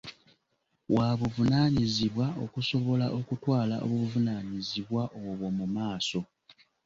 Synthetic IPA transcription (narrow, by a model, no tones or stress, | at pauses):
wʔaβuvunaːɲiziβwao̞kuso̞βo̞laʔo̞kutwaːlaʔo̰βuvunaːɲiziβwaʔoβwo̞mumaːso̞